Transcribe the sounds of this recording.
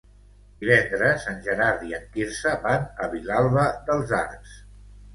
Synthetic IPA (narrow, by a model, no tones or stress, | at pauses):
d̪iβɛnd̪ɾəsanʲʒəɾaɾðiəŋkiɾsəβanəβilalˠβəðəlˠza̰ɾks